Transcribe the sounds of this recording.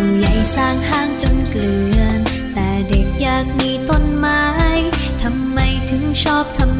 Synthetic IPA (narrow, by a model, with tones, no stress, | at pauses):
ja˨˩jsaː˥˩ŋhaː˥˩ŋt͡ɕo˧nklɯ˨˩ən | t̪ɛː˨˩de˨˩k̚jaː˨˩k̚miː˧t̪o˧˥˩nmaː˧j | t̪ʰa˧mːa˧jt̪ʰɯ˨˦˥ŋt͡ɕʰɔː˥˩p̚t̪ʰa˧m